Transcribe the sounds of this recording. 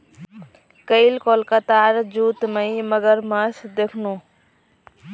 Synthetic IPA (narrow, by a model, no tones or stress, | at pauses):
kəilkoːlkat̪aːɾd͡ʒuːt̪məiməɡəɾmɐsd̪eːkʰnõː